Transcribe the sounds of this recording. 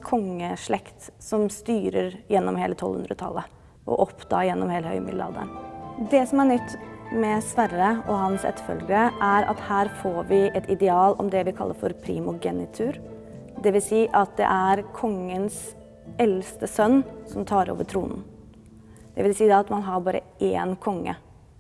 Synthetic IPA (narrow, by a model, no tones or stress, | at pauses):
kʰɔŋːəʂɭɛkt̪sɔmst̪yːɾəɾjɛnːɔmhḛːlət̪ʰɔlhʉnd̪ɾət̪ʰɑ̰lːə | ʔɔ̰ʔɔpd̪ʰɑ̰ːɾjɛnːɔmheːləhœ̰ʏmɪ̰d̪ɑ̰ːd̪ə̰nd̪ɛsɔmæɳʏt̪ːmɛsʋæɾəɔɦɑnsɛ̰t̪ːfœ̰lɡəɾəʔæɾɑ̰t̪hæːɾfoːɾʋɪʔɛt̪ɪd̪ɛɑːlɔmd̪ɛʋɪkʰɑlːəɾfɔɾpʰɾḭːmʊɡɛnɪt̪ʰʉːɾ | d̪ɛʋɪlsiːʔɑt̪̚d̪ɛ̰ʔæɾkʰɔŋːəns | ɛlst̪əsœnːsɔmt̪ʰɑːɾo̰ːʋəɾʈʰɾuːnən̩ | d̪̥ɛʋɪlsiːd̪ɑt̪mɑnɦɑɾbɑːɾə̰eːnkʰɔŋːə